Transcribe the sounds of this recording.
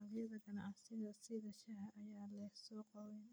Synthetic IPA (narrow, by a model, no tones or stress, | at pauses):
ɑljɐðɐɡɐnɑ̰ʕsɪðɐsɪðɐʃɐhɐʔɐjaːlɛsɔːqɔwɛn